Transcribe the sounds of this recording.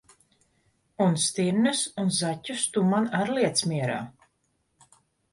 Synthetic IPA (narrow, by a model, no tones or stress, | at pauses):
unst̪iɾnɨsunzatʲːust̪umanaɾliɛt̪smʲiɛɾa̰ː